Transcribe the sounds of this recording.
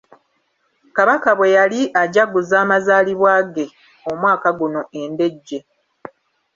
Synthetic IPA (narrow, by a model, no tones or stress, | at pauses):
kaβakaβwe̞jaliʔaɟaɡuzaːmazaːliβwaːɡe̞ | omwaːkaɡuno̞ʔe̞nde̞ɟːe